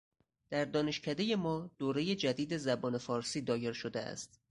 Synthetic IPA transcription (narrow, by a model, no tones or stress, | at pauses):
d̪̥æɾd̪ɒːne̞ʃcʰæd̪e̞je̞mɒːd̪̥oːɾe̞je̞d͡ʒæd̪iːd̪e̞zæbɒːne̞fɒːɾsiːd̪ɒːje̞ɾʃo̞d̪eæ̰st̪